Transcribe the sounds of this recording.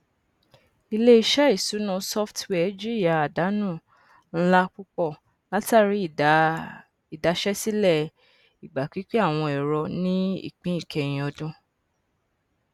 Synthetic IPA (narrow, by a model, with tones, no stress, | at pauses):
i˧le˦i˧˦ʃɛ˦i˦˨su˨˦nã˧sɔ˦ftwɛ˦d͡ʒi˦˨ja˨a˨da˨˦nũː˦˨ | n̩˦la˦k͡pu˦k͡pɔ˦˨ | la˨˦ta˦˨ɾi˨˦˨ | i˨da˨˧ʃɛ˦si˦lɛ˦˨ | i˨ɡ͡ba˨k͡pi˨˦k͡pe˦a˦˨w̃ɔ̃˧ɛ˨ɾɔ˧nĩ˦ḭ˦˨k͡pĩ˦ĩ˦˨kʰɛ˧j̃ĩ˧˦ɔ˧dũ˦